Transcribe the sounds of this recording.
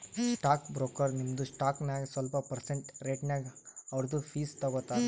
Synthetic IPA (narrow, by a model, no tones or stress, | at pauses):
sʈaːkbɾoːkɐɾnimɐd̪usʈaːknaːɡesʋɐlpɐpɐɾseɳʈɾeːʈnjaːɡɐʋɐɾd̪upʰiːst̪ɔɡot̪ːaːd̪